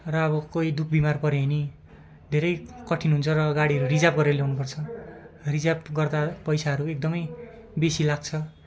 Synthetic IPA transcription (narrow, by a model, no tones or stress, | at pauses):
rʌːβʌkoid̪ukʰbimarpʌɾeɦʌni | d̪ʱeɾʌjkʌʈʰinɦunt͡sʰʌrʌɡaɽiɦʌɾurid͡zab̚ɡʌɾelewnupʌrt͡sʰʌrid͡zabɡʌrd̪apʌjsaɦʌɾuek̚d̪ʌmʌj | besilaɡ̚t͡sʰʌ